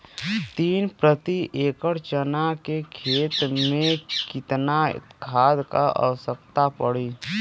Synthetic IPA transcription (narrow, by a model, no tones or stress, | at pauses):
t̪iːnpɾət̪iʔeːkəɾt͡ʃənakekʰeːt̪mẽkɪt̪nakʰaːd̪ka̰ʔə̰ʋəsəkt̪apəɽi